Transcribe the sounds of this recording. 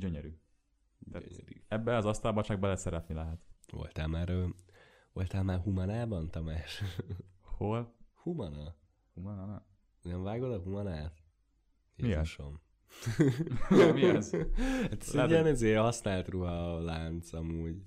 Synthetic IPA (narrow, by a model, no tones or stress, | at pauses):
ɟøɲɛɾyː | t̪aɛbːɛɒzɒst̪ɒlbɒt͡ʃaːɡ̚bɒlɛsɛɾɛt̪nilɛɦɛt̪ʋo̰lt̪aːlmaːɾø | vo̰lt̪aːlmaːrɦumɒnaːbɒnt̪ɒmaːʃ | holhumɒnɒ | humɒnn | nɛɱvaːɡod̪ɒɦumɒnaːt̪ | iiʃom | miɛzat̪ɛziɛnizeːhɒsnaːlt̪ruɦɒlaːnt̪sɒmuːɟ